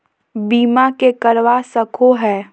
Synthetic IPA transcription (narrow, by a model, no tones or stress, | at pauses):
biːmakekɐɾʋasɐkʰoɦɛː